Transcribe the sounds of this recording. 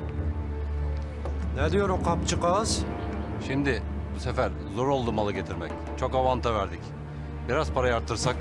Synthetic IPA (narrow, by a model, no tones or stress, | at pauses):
nɛd̪ijoɾuqʰapt͡ʃʰɯqazʃimd̪ɪbuse̞fæɾ | zo̞ɾo̞lˠd̪umalˠɯɟe̞t̪ʰiɾmɛc | t͡ʃʰo̞kavant̪ʰavæɾd̪ic | biɾaz̥pʰaɾajaɾt̪ʰːɯɾsak